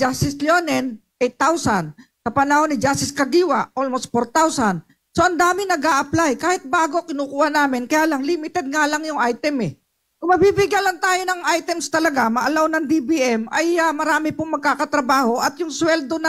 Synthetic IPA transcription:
d͡ʒast̪ɪsljoːnɛnʔɛjt̪ːawsɐnsɐpɐnɐhonɪd͡ʒast̪ɪskɐɡiːwɐolmost̪̚poɾt̪awsɐn | soʔɐnd̪aːmɪnɐɡʔaːʔɐplajkaːhɪt̪̚baːɡokɪnukuːʔhɐnaːmɪnkɐjaːlɐŋlimɪt̪ɛd̪̚ŋalɐŋjʊŋʔajt̪ɛmɛ | ʊmɐbiːbɪɡalɐŋt̪aːjonɐŋʔajt̪ɛmst̪ɐlɐɡamɐʔɐlawnɐŋd̪ibiʔɛmʔɐjɐmɐɾaːmɪpʊŋmɐɡ̚kaːkɐt̪ɾɐbaːho̞ʔɐt̪jʊŋswɛld̪onɐ

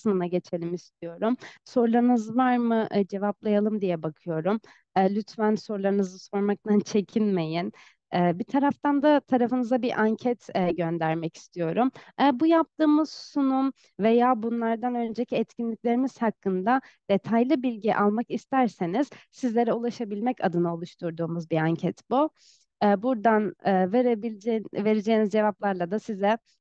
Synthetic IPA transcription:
sɯnɯnaɟe̞t͡ʃʰe̞lʲimist̪ʰijo̞ɾumso̞ɾlˠaɾɯnɯzvaɾmɯʔd͡ʒe̞vaplˠajalˠɯmd̪ijɛbakʰɯjo̞ɾumː | lʲyt̪fænso̞ɾlˠaɾɯnɯzɯso̞ɾmak̚t̪ʰant͡ʃʰe̞cʰinʲme̞jin | ɛbit̪ʰaɾaft̪and̪at̪ʰaɾafɯnɯzd̪abiʔaɲcʰɛt̪ʰɛɟø̞nd̪æɾmɛci̥st̪ʰijo̞ɾumɛbujap̚t̪ɯːmɯz̥sunum | ve̞jaːbunlˠaɾd̪anø̞nd͡ʒecʰiɛt̪cʰinlʲicʲlʲe̞ɾimiz̥hakːɯnd̪ad̪̥e̞t̪ʰajlˠɯbilʲɟiʔalˠmakist̪æɾseniz̥sizlʲe̞ɾɛulˠaʃabilʲmɛca̰d̪ɯnao̞lˠuʃt̪ʰuɾd̪uːmuzbiaɲcʰɛt̪bu | ɛːbuɾd̪anːveɾebid͡ʒve̞ɾed͡ʒejːnizd͡ʒe̞vaplˠaɾlˠad̪asizɛ

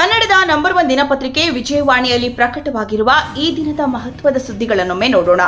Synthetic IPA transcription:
kɐnːɐɽɛd̪ɐnɐmbɐɾʋɐnd̪inɐpɐt̪ɾikeʋid͡ʒɐjɐʋaːɳijɐlːipɾɐkɐʈɐʋaːɡiɾuʋɐiːd̪inɐd̪ɐmɐɦɐt̪ʋɐd̪ɐsud̪ʱːiɡɐɭɐnːumːeːnoːɽoːɳɐ

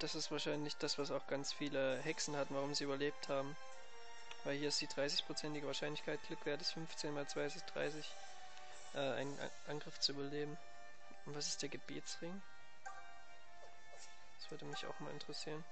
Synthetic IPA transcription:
d̥asɪstv̥aːɐʃaɪnlɪçd̥asv̥asaʊxɡ̥ant͡sfiːləɦɛksn̩hatn̩vaʁʊmziːyːbɐleːp̚thaːbm̩ | vaɪlhiːɐɪstd̥iːdʁaɪs̬ɪçpʁ̥ot͡sɛntɪɡəvaɐʃaɪnlɪçkʰaɪt̚ɡ̥lʏkv̥eːʁədasfʏnft͡seːnmaːlt͡sv̥aɪsɪçd̥ʁa̰ɪs̬ɪç | ʔɛːa̰ɪnn̰ʔanɡʁɪft͡suʔyːbɐleːbm̩ | ʔʊntv̥asɪ̥std̥eːɐɡəbḛːt͡sʁ̥ɪŋ | d̥ḁsv̥ʏɐdəmɪça̰ʊxmaːlɪntəʁəsiːʁən

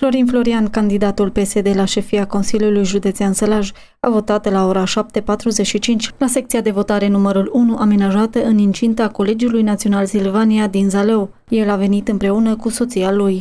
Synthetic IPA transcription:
flo̞ɾinflo̞ɾiankand̪id̪at̪ulpe̞se̞d̪e̞laʃe̞fiako̞nsilijulujʒud̪e̞t̪siansəlaʒ | avo̞t̪at̪lao̞ɾaʃap̚t̪e̞pat̪ɾuze̞t͡ʃʃit͡ʃint͡ʃʲlase̞kt̪siad̪e̞vo̞t̪aɾe̞numəɾulunuʔame̞naʒat̪əɨnint͡ʃint̪əako̞le̞d͡ʒulujnat̪sio̞nalsilvaniad̪inzale̞w | je̞lave̞nit̪ɨmpɾe̞unəkuso̞t̪sialuj

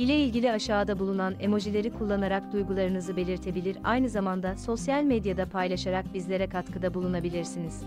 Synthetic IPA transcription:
ilʲeilʲɟilʲiaʃaːd̪abulˠunane̞mo̞ʒilʲe̞ɾikʰulˠːanaɾak̚d̪ujɡulˠaɾɯnɯzɯbe̞lʲiɾt̪ʰe̞bilʲiɾa̰jnɯzamand̪aso̞sjalʲmed̪jad̪apʰajlˠaʃaɾak̚bizlʲe̞ɾɛkʰat̪kʰɯd̪abulˠunabilʲiɾsiniz̥

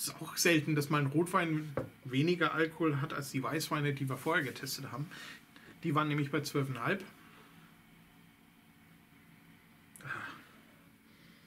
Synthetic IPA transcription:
ɪ̥sa̰ʊxz̥ɛltn̩dasmannʁoːtv̥aɪnveːnɪɡɐʔalkohoːlɦata̰lsd̥iːvaɪsv̥aɪnədiːviːɐfoːɐheɐɡətʰɛstəthaːbm̩d̥iːvaːʁənːɛːmlɪçb̥aɪt͡sv̥œlfɛnhalp | aː

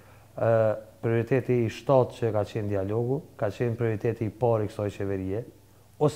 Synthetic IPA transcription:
pɾiɔɾit̪ɛt̪iːʃt̪at̪t͡ɕəkat͡ɕɛnd̪ialɔɡukat͡ɕɛnpɾiɔɾit̪ɛt̪iːpaɾikə̥sɔjt͡ɕɛvɛɾiɛ | ɔs

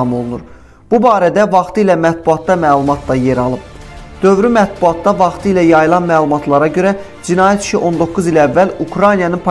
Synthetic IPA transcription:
ɑmo̞lˠunuɾ | b̥ubɑːɾæd̪ævɑχt̪ʰɯilæmæt̪̚buɑt̪d̪ɑmæːlˠumɑt̪ʰd̪ɑje̞ɾɑlˠɯb | d̪̥ø̞vɾymæt̪̚buɑt̪̚d̪ɑvɑχt̪ʰɯilæjɑjɯlˠɑnmæːlˠumɑt̪ʰlˠɑɾɑɟø̞ɾæ | d͡ʒinɑːjæt̪ʰi̥ʃiʔo̞nd̪o̞kʰːuzilævːælukʰɾɑjnijɑnɯnpʰ

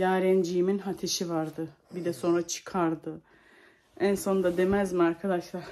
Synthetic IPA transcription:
jaːɾɛnd͡ʒijiminɦat̪ʰeʃivaɾd̪ɯ | bid̪ɛso̞nɾat͡ʃʰɯ̥kʰaɾd̪ɯ | ænso̞nd̪ad̪e̞mæzmiaɾkʰad̪aʃlˠaɾ

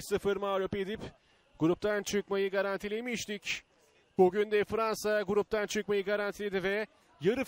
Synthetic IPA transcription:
sɯfɯɾmaːɾoped̪ip | ɡ̥uɾup̚t̪ʰænt͡ʃʰɯkmajɯɡaɾant̪ʰilʲemiʃt̪icʲ | b̥uɡynd̪ɛfɾansaɡuɾup̚t̪ʰænt͡ʃʰɯkmajɯɡaɾant̪ʰilʲed̪ivɛ | jaɾɯ

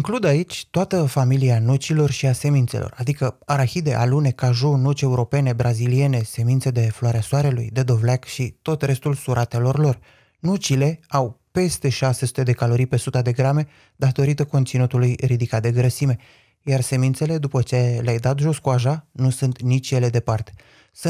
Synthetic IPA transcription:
iŋklud̪ait͡ʃʲt̪oat̪əfamilianut͡ʃilo̞rʃiase̞mint̪se̞lʔo̞̰rad̪ikəaɾaxid̪e̞ʔa̰lune̞kaʒonut͡ʃe̞uɾo̞pe̞ne̞bɾʔazilie̞ne̞se̞mint̪se̞d̪e̞floaɾeasoaɾe̞lṵjd̪e̞d̪o̞vlakʃit̪o̞t̪re̞st̪ulsuɾʔat̪e̞lo̞rlo̞r | nut͡ʃile̞awpe̞st̪e̞ʃase̞su̥t̪e̞d̪e̞kalo̞ɾijpe̞sut̪ad̪e̞ɡɾame̞ | d̪at̪o̞ɾit̪əko̞nt̪sinut̪ulujɾid̪ikat̪̚d̪e̞ɡɾəsime̞ | jarse̞minse̞le̞d̪upət͡ʃeleajd̪at̪ʒo̞skuaʒanusunt̪nit͡ʃje̞le̞d̪e̞part̪e | s

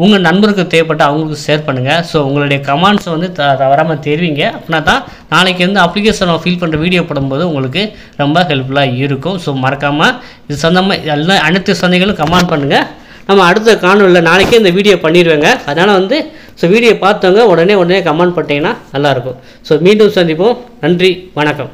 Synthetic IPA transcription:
ʊŋɡɐnɐnbɐɾɯk̬ːɯ̃t̪eːp̬ɐʈːɯɐʋɐŋɡɐɭɯkːɯseːɾpɐɳːɯŋɡɐsoːʊŋɡɐɭɯɽɐjɐkɐmaːɳɖsɐ̃ʋɐnd̪ɯt̪t̪ɐʋɐɾaːmɐt̪ɛɾɪʋiːŋɡɐɐpːɐɳnːaːt̪ãː | naːɭɛk̬ːeɾɐnd̪ɯɐpːlɪk̬eːʂɐnãːfiːlpɐɳːrɐʋiːɽɪjoːpɐɽɯmpoːðɯʊŋɡɐɭɯk̬ːɯ | ɾɛmbɐɦɛlflaːɪɾɯkːʊ̃soːmɐɾɐkːaːma | ɪðɯsɐnd̪ɐmaɪɐãɐɳɯt̪ːɯsɐnd̪ɐɛɣɐɭɯ̃kɐmaːɳɖ̚pɐɳːɯŋɡɐ | nɐmːɐːɽɯt̪̬ːɐkaːnɯ̃ɪlːɐnaːlɛkːeɪnd̪ɐʋiːɽɪjoːpɐɳːɪɾɯʋeːŋɡɐɐðɯnaːlɐʋɐnd̪ɯ | soːʋiːɽɪjopaːɾt̪oːŋɡɐɔɽɐneːɔɽɐneːkɐmaːɳɖ̚pɐɳʈːiːŋɡɐnːaːnɐlːaːɪɾɯkːʊ̃ | soːmiːɳɖusɐnd̪ɪpːõːnɐndriʋɐɳɐkːɐm

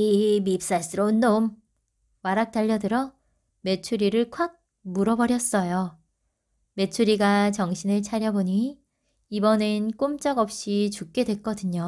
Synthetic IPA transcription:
imip̚s͈as͈ɯɾʌonːom | waɾak̚t͈aʎːʌdɯɾʌ | me̞t͡ɕʰuɾiɾɯɭkʰwak̚ | muɾʌbʌɾjʌs͈ʌjo | me̞t͡ɕʰuɾiɡat͡ɕʌŋɕʰinɯɭt͡ɕʰaɾjʌboɲi | ibʌnenk͈omt͡ɕ͈ʌɡʌp̚ɕ͈it͡ɕuk̚k͈e̞dwe̞k͈ʌdɯɲo

